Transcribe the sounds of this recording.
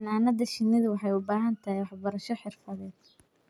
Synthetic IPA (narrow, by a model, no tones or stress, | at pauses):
naːnɐðɐʃɪnːɪðɪwɑħɑjʊbaːɦɐnt̪ʰɐhɪjwɑħbɐɾɐʃɔħɪrfɐðɛːd̪